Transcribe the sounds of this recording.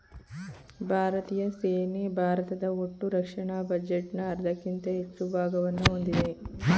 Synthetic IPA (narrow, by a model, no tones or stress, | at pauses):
bʱaːɾɐt̪iːjɐseːnebʱaːɾɐt̪ɐd̪ɐoʈːuɾɐkʂɐɳaːbɐd͡ʒeʈnɐːɾd̪ʱɐkːint̪ɐɦet͡ʃːubʱaːɡɐʋɐnːuɦond̪id̪e̞